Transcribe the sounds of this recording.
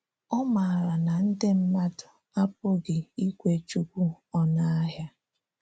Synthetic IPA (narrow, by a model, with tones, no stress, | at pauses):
ɔ˦ma˨ɾa˨na˨n̩˦dɪ˦m̩˦ma˦dʊ˨ | a˦pʊ˦ɡɪ˨i˦kʷe˦t͡ʃu˦kʷu˦ | ɔ˦na˦a˦ɦja˦